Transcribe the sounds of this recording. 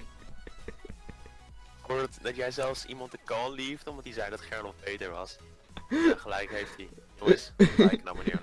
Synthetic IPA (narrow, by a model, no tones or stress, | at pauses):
kuːtdɑtjɛjzɛlˠfsḭmɑntəkɑnlivdəɔmdɑtizɛjdɔtχɛɹlɔt̚bejtəɹʋɑ̰s | aχəlɛjkɦejftitoɪskna̰mmənḭːɹ